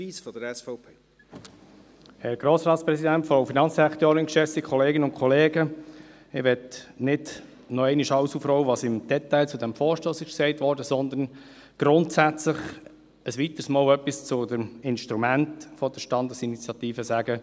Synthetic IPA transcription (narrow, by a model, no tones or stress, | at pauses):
iːsfɔd̥əɾɛsfɔʊpʰeː | hɛɾɡ̥ɾoːsɾɑːt̪spɾɛsidæntfɾoʊfinɑnt͡sɛkt̪øːɾɪŋkʃɛsikʰχɔleːɡənʊnkʰχɔleːɡə | ɪʋɛtnɪd | nɔɛɪnɪʃɑlsufɾɔʊəʋɑsɪmd̥ɛtæɪlt͡sʊd̪ɛmfɔːɾʃtoːsɪʃksɛɪtʋɔːɾdəsɔnd̪ən | ɡ̥ɾʊntsæt͡slɪχ | əsʋit̪əsmɑːlœpːist͡sʊdəmɪnʃtɾumæntfɔd̥̪əʃtɑnd̪ɑsinit͡sjɑt̪iːfəsæːɡə